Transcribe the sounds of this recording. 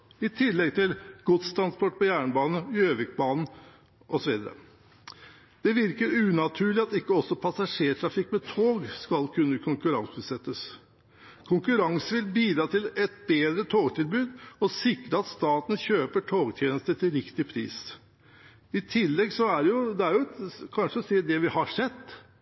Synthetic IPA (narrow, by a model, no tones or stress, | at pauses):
ɪt̪ʰɪlːɛɡt̪ʰɪlɡ̥ʊt̪st̪ʰɾɑnspʰɔʈ̚ːpɔjæːɳbɑːnəøːʋɪk̚bɑːnn̩ | ʔɔsɔʋiːd̪əɾə̰ | d̪̥ɛʋɪɾkəɾʉːnɑt̪ʰʉːɭɪɑt̪ɪkːəɔsːɔpʰɑsɑʂeːʈʰɾɑfɪkːmɛt̪ʰoːɡskɑlkʰʉnːəkʰʊŋkʉɾɑŋsʉːsɛt̪ːəs | kʰʊŋkʉɾɑŋsəʋɪlbiːd̪ɾɑːt̪ʰɪlɛt̪̚beːd̪ɾət̪ʰoːɡt̪ʰɪlbʉːd̪ɔsɪkɾəɑt̪st̪ɑːt̪n̩çøːpəʈʰoːɡt̪ʰjeːnəst̪ət̪ʰɪlɾɪkt̪ɪpʰɾḭːs | ɪt̪ʰɪlːɛɡsɔæɾjʊd̪ɛæɾjʊkʰɑnʂəɔsiːd̪ɛʋɪhɑʂɛt̪ː